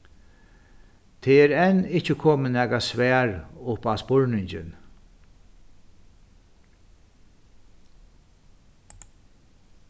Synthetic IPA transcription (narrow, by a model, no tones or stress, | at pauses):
t̪ʰeːɛːɾɛnɪht͡ʃəkʰɔːmənæːkasʋæːɹʊpaspɔɹnɪɲt͡ʃɪ̰n